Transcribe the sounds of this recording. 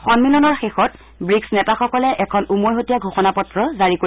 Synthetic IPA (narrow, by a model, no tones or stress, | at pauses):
xɔnmilɔnɔɹxexɔt | bɹiksnɛtaxɔkɔlɛʔɛkʰɔnumojɦotijaɡʱoxɔnapɔtɹɔzaɹiko